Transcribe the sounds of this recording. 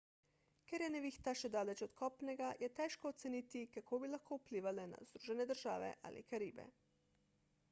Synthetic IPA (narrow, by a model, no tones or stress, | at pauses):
kɛɾjɛnɛʋiːxt̪aʃɛd̪aːlɛt͡ʃɔt̪kʰɔːpnɛɡajɛt̪ɛːʃkɔːt̪sɛniːt̪ikakʰoːbilaxkʰoːupliːʋalɛna̰zd̪ɾuːʒɛnɛd̪əɾʒaːʋɛ̰ʔa̰lḭkaɾiːbɛ̰